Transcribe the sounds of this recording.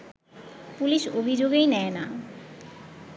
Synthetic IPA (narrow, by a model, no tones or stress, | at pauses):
puliʃobʱid͡ʑoɡejnɛena